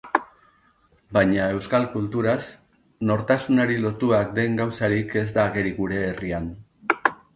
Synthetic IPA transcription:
bajɲae̞wskalkult̪uɾas | no̞ɾt̪asunaɾilo̞t̪uak̚d̪e̞ŋɡawsaɾike̞zd̪aːɣe̞ɾiɣuɾe̞ːrian

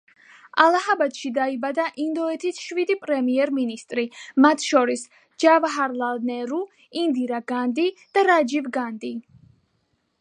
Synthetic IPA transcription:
alˠaɦabat̪ʃid̪aibad̪aʔind̪ɔɛt̪ʰisʃvid̪ipʼɾɛmiɛɾminist̪ʼɾimat̪ʰʃɔɾis | d͡ʒavɦaɾlalnɛɾu | ind̪iɾaɡand̪id̪̥aɾad͡ʒivɡand̪i

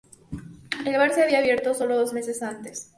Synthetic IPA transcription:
elβaɾseaβiaːβje̞ɾt̪o̞so̞lo̞ðozme̞se̞sant̪e̞s

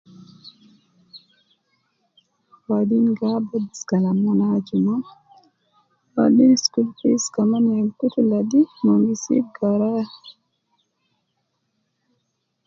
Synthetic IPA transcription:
wadinɡabadiskalamːanad͡ʒima | wa̰dinskulpiskamanalkutuladimoŋɡisḭɡaɾa

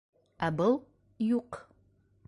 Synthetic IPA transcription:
abəlˠ | juq

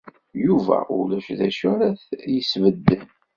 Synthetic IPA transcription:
juvæ̰ʔʊ̰læʃðæʃʊɾæθjəsvəd̪ːən

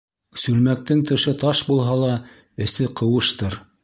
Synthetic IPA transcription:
sʉlmæk̚t̪ɘŋt̪ɤ̆ʃɤt̪ɑʃbulˠɦɑlˠɑ | ɘ̆sɘqɤ̆wɤ̆ʃt̪ɤɾ

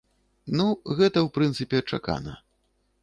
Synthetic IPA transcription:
nuɣɛt̪ɐwpɾɨnt̪sɨpʲɛɐt͡ʂa̰ka̰nɐ̰

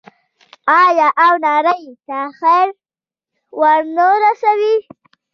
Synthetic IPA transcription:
ɑjɑʔawnɑɾəjt̪axajɾ | waɾnoɾasawi

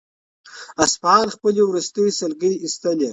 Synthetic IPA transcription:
aspɑːnxpəlewɾust̪əjisɐlɡəjist̪əle

